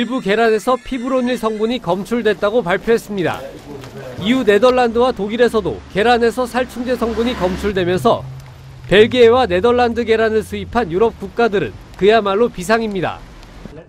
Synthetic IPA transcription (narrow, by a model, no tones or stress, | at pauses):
iɭbuke̞ɾane̞sʰʌpʰibɯɾoɲiɭsʰʌŋbuɲikʌmt͡ɕʰuɭdwet̚t͈aɡopaɭpʰjoɦe̞s͈ɯmɲida̰ | iune̞dʌɭːandɯwatoɡiɾe̞sʰʌdo̰ke̞ɾane̞sʰʌsʰaɭt͡ɕʰuŋd͡ʑe̞sʰʌŋbuɲikʌmt͡ɕʰuɭdwe̞mjʌnsʰʌ̰ | pe̞ɭɡeːwane̞dʌɭːandɯɡe̞ɾanɯɭsʰuipʰanjuɾʌp̚k͈uk̚k͈adɯɾɯ̰n | kɯjamaɭːopisʰaŋimɲida̰